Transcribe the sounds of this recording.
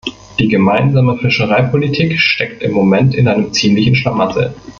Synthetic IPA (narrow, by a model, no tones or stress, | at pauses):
d̥iːɡəmaɪnzaːməfɪʃəʁ̞aɪpʰolitʰiːkʃtɛktɪmːomɛntɪnʔaɪnəmt͡siːmlɪçn̩ʃlamazɛ̰